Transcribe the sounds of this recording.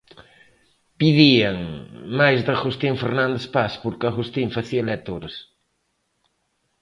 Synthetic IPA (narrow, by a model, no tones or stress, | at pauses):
piðiɐŋmajzðɐɣust̪iɱfeɾnãnd̪espaspuɾkɐɣust̪iɱfɐθiɐlɛt̪oɾɐs